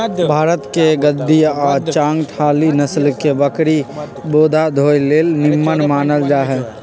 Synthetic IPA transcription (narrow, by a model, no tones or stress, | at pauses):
bʱaːɾət̪keɡəd̪ːiɔːt͡ʃãːŋɡʈʰaːlinəslkebəkɾi | boːd̪ʱad̪ʱoːjleːlnɪmːənmaːnəld͡ʒaːɦɛː